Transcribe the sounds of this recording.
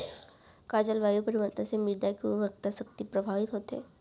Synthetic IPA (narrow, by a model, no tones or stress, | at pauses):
kaːd͡ʒəlʋaːjupɐɾɪʋəɾt̪ãsemɪd̪akioɾək̚t̪asɐk̚t̪ipɾɐbʱaːʋɪt̪ɦoːt̪ɦɛ̰ː